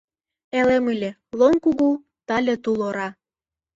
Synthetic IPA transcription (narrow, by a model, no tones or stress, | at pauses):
elemɯlʲĕ | lonkuɣu | t̪ɑlʲĕt̪uloɾɑ